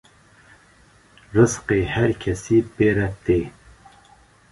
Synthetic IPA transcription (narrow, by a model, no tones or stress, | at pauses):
ɾəsqehaɾkʰasipeɾat̪e